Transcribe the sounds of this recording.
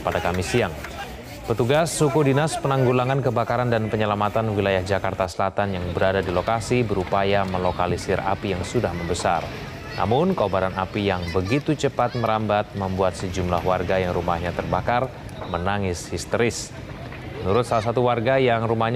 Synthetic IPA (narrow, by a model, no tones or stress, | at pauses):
padakamisiaŋ | pət̪uɡasːukudinaspənaŋɡulaŋankəbakaɾandanpəɲəlamat̪anwilajahd͡ʒakart̪asəlat̪anjaŋbəɾadadilokasibəɾupajaməlokalisɪra̰pijaŋsudahməmbəsa̰r | nʔa̰mʊnkəobaɾanapijaŋbəɡit̪ut͡ʃəpat̪̚məɾambat̪̚məmbuat̪̚səd͡ʒumlahwarɡajaŋɾumahɲat̪ərbakar | mənaŋɪshist̪əɾɪs | mənuɾʊt̪̚salas̬at̪uwarɡajaŋrumahɲ